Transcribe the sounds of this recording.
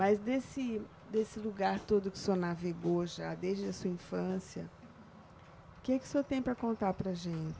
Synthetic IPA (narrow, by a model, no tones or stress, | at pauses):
mɐzd̪esɪ | d̪esɪluɡaɾt̪od̪ʊkɪ̥suoɐnaveɡoʒad̪ezd͡ʒɪd̪ɐsuɐĩfɐ̃siɐ̰ | ʊkɪɛkɪ̥sot̪ẽj̃ʊpɾɐkõnt̪aɾpɾɐʒẽt͡ʃɪ̥